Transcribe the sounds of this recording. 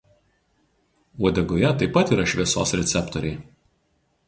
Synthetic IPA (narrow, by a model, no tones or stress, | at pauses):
uɔd̪ʲɛɡojɛt̪ɐɪpːɐt̪iːɾɐʃʲʋʲiɛso̰ːsɾʲɛt̪sʲɛpt̪ɔɾʲɛɪ